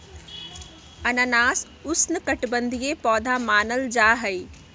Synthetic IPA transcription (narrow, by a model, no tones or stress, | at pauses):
ɐnənaːs | ʊsnɪkɐʈbə̃nd̪ʱiepɔːd̪ʱamaːnəld͡ʑaːɦɐiː